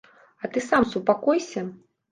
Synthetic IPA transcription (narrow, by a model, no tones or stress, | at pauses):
ɐt̪ɨsamsupakɔjsʲɐ